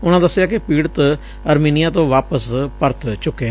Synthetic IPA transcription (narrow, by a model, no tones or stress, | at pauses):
ʊnãːd̪əsːɪjaːkɪpiːɽt̪ | əɾmiːnijãːt̪õːʋaːpəspəɾt̪t͡ʃʊkːeː